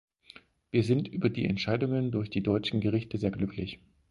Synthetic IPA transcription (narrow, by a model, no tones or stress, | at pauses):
v̥iːɐzɪntʔyːbɐdiːɛ̰ntʃaɪdʊŋəndʊɐçd̥iːdɔʏt͡ʃn̩ɡəʁ̞ɪçtəzeːɐɡlʏkʰlɪç